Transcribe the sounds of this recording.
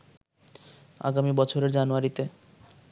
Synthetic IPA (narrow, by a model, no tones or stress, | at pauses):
a̰ɡamibɔt͡ɕʰoɾeɾd͡ʑanuaɾit̪e